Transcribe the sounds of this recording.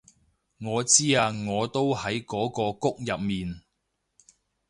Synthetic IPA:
ŋɔː˨˧t͡siː˥aː˧ŋɔː˨˧t̪o˥whɐ˨˥jkɔː˨˥kɔː˧kʊ˥k̚jɐ˨p̚miː˨n

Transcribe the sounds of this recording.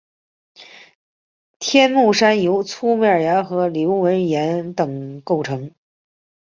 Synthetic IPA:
t̪ʰjɛ˥nmu˥˩ʂa˥njo˧˥ʊt͡sʰu˥me˥ə˞˨˩ja˧˥nxɤ˧˥ljo˧˥ʊwə˧˥njɛ˧˥nt̪ɤ˨˩ŋko˥˩ʊʈ͡ʂʰɤ˧˥ŋ

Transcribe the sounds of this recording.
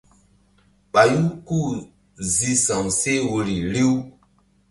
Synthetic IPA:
ɓa˨ju˦ku˦˨ | zi˨sã˨wse˦wo˨ɾi˨ɾi˦w

